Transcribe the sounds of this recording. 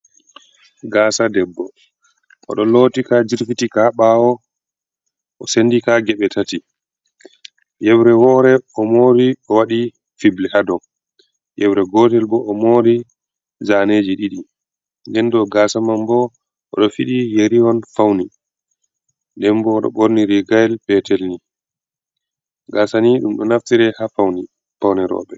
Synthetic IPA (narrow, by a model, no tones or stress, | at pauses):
ɡaːsadɛbːɔ | ʔɔ̰ɗɔlotikad͡ʒiɾfitikaɓawɔ | ʔɔsendikaɡɛɓɛtʰati | jɛbɾɛwɔːɾɛɔmoːɾiɔwaɗi | fiblɛhadɔ | jɛbɾɛɡɔtɛlbɔɔmoːɾi | zaneːd͡ʒiɗiɗi | ndɛndɔɡaːsamambɔ | ʔɔɗɔfiɗijeɾiwɔnfawni | ndɛnbɔːɗɔ̰ɓoɾniɾiɡajɛlpɛtɛlni | ɡaːsaniɗumɗɔnaftiɾɛhafawni | fawnɛɾɔ̰ːɓɛ